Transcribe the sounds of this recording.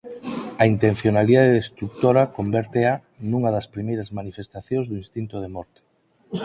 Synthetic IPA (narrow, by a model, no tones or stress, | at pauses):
ɐint̪en̟θjonaliðaðeðest̪ɾuk̚t̪oɾɐkombeɾt̪ea | nuŋɐðɐspɾimejɾɐzmanifest̪aθjõŋzðuĩnst̪int̪oð̞emɔɾt̪e̥